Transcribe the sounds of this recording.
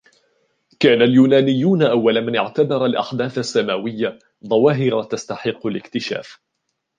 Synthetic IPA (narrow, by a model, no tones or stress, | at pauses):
kaːnaljuːnaːnɪjːuːnaʔawːalmanɪʕt̪abɑɾˤalʔa̰ħd̪aːθasːamaːwɪjːa | ðˤɑwɑːɦɪɾɑt̪ast̪aħɪqːʊlɪkt̪ɪʃa̰ːf